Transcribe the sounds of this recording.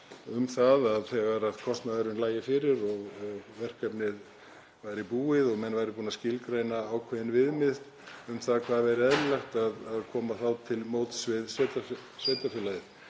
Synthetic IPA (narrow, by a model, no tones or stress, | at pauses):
ʏmθaðaðθɛːɣaɾaðkʰɔst̪naðaɾʏnlaːjɪfɪɾɪɾɔɣɣvɛr̥kapnɪð | vajɾɪpuːɪðɔɣmɛnvajɾɪpuːnascɪlkɾeːjnaːwkʰvɛðɪnvɪðmɪθt̪ | ʏmθaðkʰvaːðvɛɾɪɛðɾɪlajxt̪aðaðkʰɔːmaθawt̪ʰɪlmoːwt̪svɪðsvɛt̪asvet̪afɪlaðɪ